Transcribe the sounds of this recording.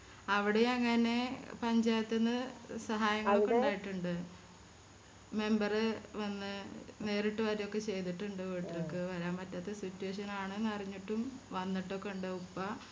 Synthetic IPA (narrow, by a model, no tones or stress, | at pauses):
ɐʋiɽejɐŋːɐne̞pɐɲd͡ʑaːjɐt̪ːenːɐsɐɦaːjɐŋːɐɭokːeuɳɖaːjiʈːuɳɖɨ | me̞mbɐrɨʋɐnːɨne̞ːɾiʈːɨʋɐɾijo̞kːe̞t͡ɕe̞jt̪iʈːuɳɖɨʋeːʈːilokːeʋɐɾaːmːɐtːɐt̪ːesitːueːʂ̬ɐnaːɳɨnːɐriɲːiʈːumʋɐnːiʈːo̞kːe̞uɳɖɨupːɐ